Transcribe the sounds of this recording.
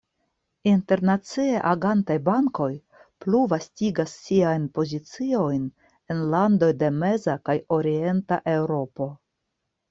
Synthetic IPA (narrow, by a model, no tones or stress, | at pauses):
inte̞ɾnat͡sieʔaɡantajbaŋko̞j | pluvastiɡasːiajnpo̞zit͡sio̞jn | e̞nlando̞jde̞me̞zakajo̞ɾie̞nta̰ʔe̞wɾo̞po̞